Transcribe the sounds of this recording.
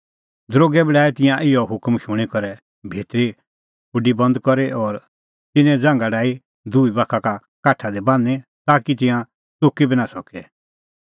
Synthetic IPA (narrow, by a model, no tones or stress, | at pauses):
d̪ɾoːɡɛbɪɖaːɛt̪ɪ̃jãʔɪjɔɦʊkmʃʊɽ̃ikɔɾɛ | bʱeːt̪ɾi | pʊɖibɐ̃nd̪kɔɾɛʔɔɾ | t̪ɪnɛ̃d͡zãːŋɡaɖaːi | d̪ʱuibakʰaka | kaːʈʰad̪ɛbãːnɛt̪aːkit̪ɪ̃jã | t͡sokibʱinasɔkɛ